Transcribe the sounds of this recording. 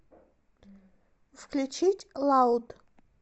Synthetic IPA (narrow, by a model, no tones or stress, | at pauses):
vkʰlʲut͡ʃʰitʲʼlaud̪